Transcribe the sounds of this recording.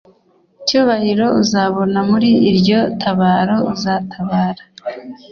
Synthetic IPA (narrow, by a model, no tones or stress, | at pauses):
ucuːβahiɾo̞uzaβo̞namuɾiːɾɟo̞tʰaβaːɾo̞uzatʰaβaːɾḁ